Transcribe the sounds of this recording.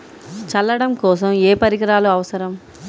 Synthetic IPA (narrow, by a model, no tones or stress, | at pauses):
t͡ʃɐlːɐɽɐmkɔːs̬ɐmeːpɐɾiɡɐɾaːluɐʋɐsɐɾɐm